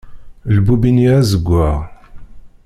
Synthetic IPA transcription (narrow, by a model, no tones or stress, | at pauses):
lbubiniæzəɡʷːaʁ